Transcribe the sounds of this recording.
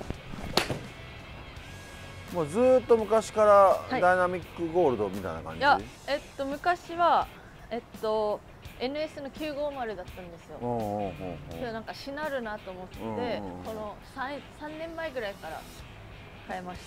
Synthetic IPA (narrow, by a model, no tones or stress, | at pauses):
ha | moːzɨːt̪ːo̞mɯ̟kaɕi̥kaɾahadiainamʲikːɯ̟ɡo̞ːɾɯ̟d̪o̞mʲit̪a̰jna̰kã̰ɲjai | e̞t̪ːo̞mɯ̟kaɕiβa | e̞t̪ːo̞ | e̞nɯ̟e̞sɨno̞kʲɨːɡo̞ːmaɾɯ̟d̪at̪ːãnd̪e̞sɨjo̞̰oːɦoːkːed̪o̞nãŋkaɕinaɾɯ̟nat̪o̞ːmo̞t̪ːe̞so̞no̞sãsãnːẽ̞mːaiɡɯ̟ɾaikaɾa̰ | kae̞maɕi̥t̪ḁ